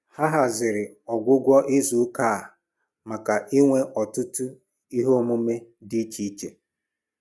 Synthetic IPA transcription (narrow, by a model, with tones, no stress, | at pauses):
ha˦ɦa˨zɪ˨ɾɪ˨ | ɔ˨ɡʷʊ˦ɡʷɔ˦ʔɪ˦zu˨˦kaː˦˨ | ma˨ka˨ʔi˦ŋʷe˦ʔɔ˨tʊ˦tʊ˦ | i˦ɦo˦mʊ˦me˦di˦t͡ʃi˦i˦t͡ʃe˨